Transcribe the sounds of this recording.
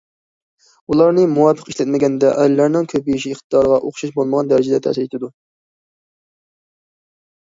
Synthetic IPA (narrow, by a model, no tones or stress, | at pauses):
ulˠɑɾnɨmuwɑpʰːəqiʃlɛt̪̚mɪɡʲɛnd̪ɛʔɛ̰d̪lːæɾnɪŋkʲʰøbijiʃiɪχt̪ɨd̪ɑɾəʁɑʔoχʊ̥ʃɑʃbolˠməʁɑnd̪æɾɪd͡ʒɛd̪ɛt̪ʰɛ̰sɪɾet̪ʰɪd̪u